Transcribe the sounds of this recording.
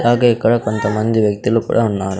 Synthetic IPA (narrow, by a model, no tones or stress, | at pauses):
aːɡɐɛkːɐɽɐkont̪ɐmɐnd̪iʋjɐk̚t̪ilukṵːɽɐɦunːaːɾu